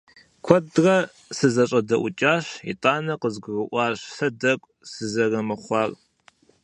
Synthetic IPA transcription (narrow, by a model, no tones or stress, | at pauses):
kʷʰɔdrɐ | sɨzɐɕʼɐdɐʔʷʊt͡ʃʼaːɕḭtʼaːnɐqəzɡʷʊrɨʔʷɑːɕɬɐdɐkʷʼ | sɨzɐrɐmɨχʷɑːr